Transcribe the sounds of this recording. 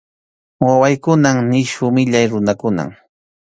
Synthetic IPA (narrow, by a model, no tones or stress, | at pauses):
wawajkʊnamnɪʃʊmɪʎajɾʊnakʊna̰m